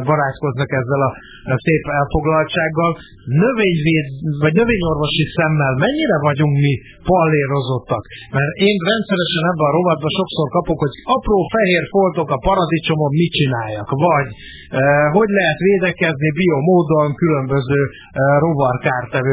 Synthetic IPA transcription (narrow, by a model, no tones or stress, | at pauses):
bɒɾaːt̪ko̞znɒkɛzːɛlɒ | seːpɛlfo̞ɡlɒlt͡ʃaːɡːɒl | nøveːɲveːd̪vɒɟnøveːɲo̞rvo̞ʃisɛmːɛlmɛɲːiɾɛvɒɟuŋkmi | pɒlːeːɾo̞zo̞t̪ːɒkmɛɾeːnrɛnt̪sɛɾɛʃɛnɛbːɛɒɾo̞vɒd̪̚bɒʃo̞kso̞rkɒpokho̞ɟɒproːfɛɦeːrfolt̪o̞kɒpɒɾɒd̪it͡ʃo̞mo̞mːit͡ʃinaːjːɒkvɒɟ | ɦo̞ɟlɛɦɛt̪ʋeːd̪ɛkɛznibijomoːd̪oŋkylø̞mbøzøː | ro̞vɒrkaːrt̪ɛvø